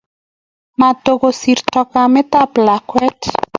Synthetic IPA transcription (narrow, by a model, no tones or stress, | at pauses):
mat̪oɡosiɾtɔkamet̪aplakwɛt